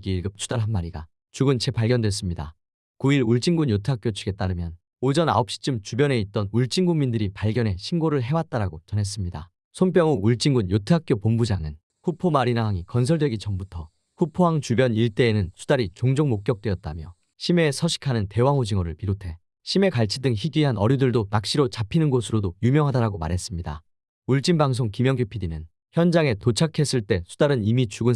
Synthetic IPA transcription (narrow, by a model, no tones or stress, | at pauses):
ɡiɭɡɯp̚t͡ɕʰu̥d̥aɭɦanmaɾiɡa̰ | t͡ɕuɡɯnt͡ɕe̞paɭɡjʌndwe̞s̬͈ɯmɲida̰ | kuiɾuɭt͡ɕ͈iŋɡunjotʰɯɦak͈jot͡ɕʰuɡe̞t͈aɾɯmjʌn | od͡ʑʌna̰op̚ɕ͈i̥t͡ɕ͈ɯmt͡ɕubjʌne̞it̚t͈ʌnuɭt͡ɕ͈iŋɡuŋmindɯɾipaɭɡjʌne̞ɕʰimɡoɾɯɭɦe̞wat̚t͈aɾaɡot͡ɕʌnɦe̞s̬͈ɯmɲida̰ | sʰomp̬͈jʌŋuuɭt͡ɕ͈iŋɡunjotʰɯɦak̚k͈jopombud͡ʑaŋɯn | ɸupʰomaɾinaɦaŋikʌns̬ʰʌɭdwe̞ɡit͡ɕʌmbutʰʌ | kupʰoɦaŋt͡ɕubjʌniɭt͈e̞ːnɯnsʰu̥daɾit͡ɕoŋd͡ʑoŋmok̚k͈jʌk̚t͈weʌt̚t͈a̰mjʌ̰ | ɕʰime̞sʰʌɕʰi̥kʰanɯnte̞waŋud͡ʑiŋʌɾɯɭpiɾotʰe̞ | ɕʰime̞kaɭt͡ɕʰidɯŋçiɡiɦanʌɾjudɯɭdonak̚ɕ͈iɾot͡ɕapʰinɯnɡosʰɯɾodojumjʌŋɦadaɾaɡoma̰ɾɦe̞s͈ɯmɲida̰ | uɭt͡ɕ͈inbaŋs̬ʰoŋkimjʌŋɡopʰidinɯn | çjʌnd͡ʑaŋe̞tot͡ɕʰakʰe̞s͈ɯɭt͈e̞sʰudaɾɯnimit͡ɕuɡɯn